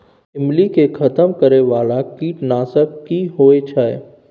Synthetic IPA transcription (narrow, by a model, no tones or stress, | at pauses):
ɪmlikekʰɐt̪əmkəɾeʋaːlakiːʈnaːsək̚kiɦoːet͡ʃʰaɛ